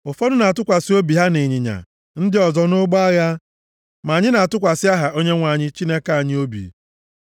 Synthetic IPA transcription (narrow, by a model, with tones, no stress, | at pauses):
ʊ˨fɔ˦dʊ˦na˨tʊ˦kʷa˨si˦o˦bi˨ɦa˦ne˨ɲɪ˨ɲa̰˨ | n̩˦dɪ˦ɔ˨zɔ˦nʊ˦ɡ͡bɔ˦a˦ɣa˦ | ma˨ɲɪ˦na˨a˨tʊ˦kʷa˨sɪ˦a˦ɦa˨o˦ɲe˦ŋʷa˨ɲɪ˦t͡ʃi˦ne˦ka˨a˨ɲɪ˦o˦bḭ˨